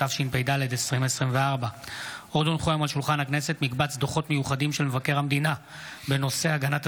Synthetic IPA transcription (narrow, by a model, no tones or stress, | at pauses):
avʃinpejd̪aled̪esʁimesʁimveaʁbaod̪onχojamalʃulχanhakne̞se̞t̪mikbat͡sd̪oχo̞t̪mejuχad̪imʃelmevake̞ʁhamd̪ina | be̞no̞se̞aɡanat̪